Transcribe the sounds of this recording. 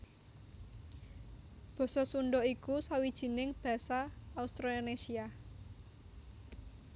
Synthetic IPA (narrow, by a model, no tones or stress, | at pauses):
b̥ɔ̤sɔsuɳɖɔikusawid̥ʒ̥i̤nɪŋb̥ä̤saːust̪ɾonesia